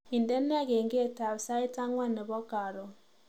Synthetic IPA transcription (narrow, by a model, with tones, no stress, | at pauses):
i˨nde˦nː˦a˦ɡe˨ŋɡe˦ta˨βsa˦i˦ta˦ŋwa˦nɛ˨βɔ˦ka˨ɾo˨